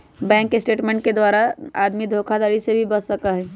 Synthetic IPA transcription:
bɛ̃ŋkːesʈeʈmẽɳʈ̚ked̪ʋaɾaa̰d̪mid̪ʱokʰad̪aɾisebʱibəsəkaɦɛ

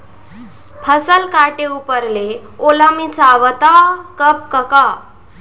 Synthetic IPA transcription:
pʰəsəlkaʈeupəɾleolamĩt͡saʋət̪akəp̚kəka

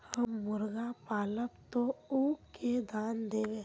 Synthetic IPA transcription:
həmːʊɾɡapaːləpt̪ouːked̪ʱaːnd̪eːʋẽː

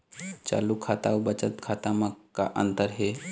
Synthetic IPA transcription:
t͡ʃa̰ːlukʰːat̪aobət͡ʃət̪kʰaːt̪amãka̰ʔə̰nt̪əɾɦe

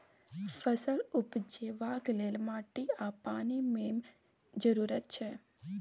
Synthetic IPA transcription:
fəsəlupd͡ʒeʋaɡlelmaʈiapanimem | d͡ʒəɾuɾət̪̚t͡ʃʰe

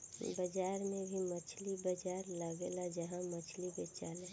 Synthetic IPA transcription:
bəd͡ʒaːɾmebʱimət͡ʃʰlibəd͡ʒaːɾləɡelad͡ʒəɦãmət͡ʃʰliɡet͡ʃaːle

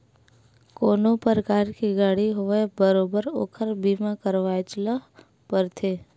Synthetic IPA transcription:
koːnopəɾəkaːɾkiɡaːɽiɦʊʋebəɾoːbəɾo̰ːkʰəɾbiːmãkəɾʋaːt͡ʃla | pəɾt̪ʰeː

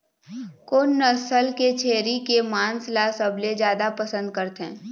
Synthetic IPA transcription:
konːəsəlket͡ʃʰeːɾikemãːnslasəbled͡ʒjaːd̪apəsə̃nd̪̚kəɾt̪ɦɛ̰̃ː

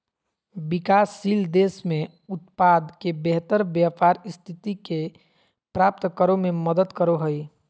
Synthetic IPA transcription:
bɪkaːsːiːld̪eːsmẽ | ʊt̪̚pad̪kebeɦt̪əɾbjapaːɾɪst̪ʰit̪ike | pɾaːp̚t̪kəɾomẽməd̪əd̪kəɾoɦəi

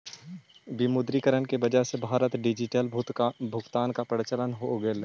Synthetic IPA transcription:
bimʊd̪ɾikəɾənkebɐd͡ʒaɦsebʱaːɾət̪ɖɪd͡ʒɪʈəlbʱʊɡt̪aːnkapəɾt͡ʃələnɦoɡel

